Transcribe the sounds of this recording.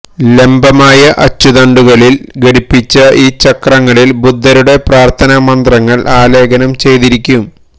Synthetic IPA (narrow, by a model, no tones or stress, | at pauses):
le̞mbɐmaːjɐʔɐt͡ɕːuðɐɳɖuɣɐɭilɡɐɽipːit͡ɕːɐʔiːt͡ɕɐkrɐŋːɐɭilbud̪ʱːɐɾuɽe̞praːrt̪ʰɐnɐmɐnd̪rɐŋːɐɭʔaːle̞ːɡɐnɐmt͡ɕe̞jt̪iɾikʲːum